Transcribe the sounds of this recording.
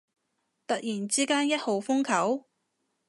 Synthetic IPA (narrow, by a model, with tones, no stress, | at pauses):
t̪ɐ˨t̚jiː˨˩nt͡siː˥kaː˥njɐ˥t̚ho˨wfʊ˥ŋkʰɐ˨˥w